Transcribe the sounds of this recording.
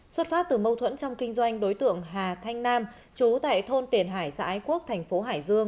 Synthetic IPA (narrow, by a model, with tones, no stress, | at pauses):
swə˦˥t̚faː˦˥p̚t̪ɨː˨˩mə˧wt̪ʰwə̰˧˥nt͡ɕɔ˧wŋ͡mkï˧ŋ̟zwa˧jŋ̟ɗo˨˦jt̪ɨ̰˧˨əŋɦaː˨˩t̪ʰa˧jŋ̟naː˧m | t͡ɕu˨˦t̪a̰ː˧˨jt̪ʰo˧nt̪i˨˩ənɦaː˧˩jsa̰ː˧˥ʔaː˨˦jku˦˥ək̚t̪ʰɛ˨˩jŋ̟fo˨˦ɦaː˧˩jzɨ˧əŋ